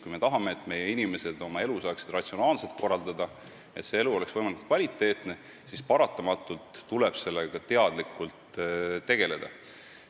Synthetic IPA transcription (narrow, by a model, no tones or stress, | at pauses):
kujme̞t̪ɑɦɑme̞ːt̪ːˑme̞jeinime̞se̞d̪o̞mɑe̞lusɑːksid̪̥rɑt̪sio̞nɑːlse̞lt̪̚ko̞rɑld̪ɑd̪ɑ | e̞t̪se̞e̞luo̞le̞ksvɤ̞jmɑlikut̪kvɑlʲit̪ːˑe̞ːt̪ne̞ | sispɑɾɑt̪ːˑɑmɑt̪ːˑult̪ːule̞b̥se̞lːeɡ̥ɑt̪e̞ɑd̪̥likult̪ːe̞ɡe̞le̞d̪̥ɑ